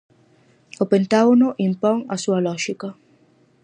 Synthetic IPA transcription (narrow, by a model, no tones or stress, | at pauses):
opent̪aonoʔimpɔŋasualɔʒika